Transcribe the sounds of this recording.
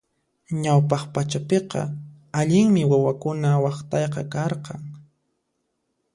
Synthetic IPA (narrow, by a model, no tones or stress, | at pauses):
ɲawpɑχpat͡ʃapeqɑ̰ | aʎɪŋmɪwawakʊnawɑχt̪ɑjqɑ̰kɑɾqɑŋ